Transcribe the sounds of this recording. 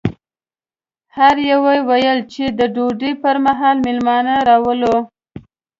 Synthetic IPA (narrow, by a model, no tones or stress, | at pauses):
haɾjawajwajəlt͡ʃed̪əɖoɖipəɾmaɦɑlmɪlmɑnaɾɑwəlo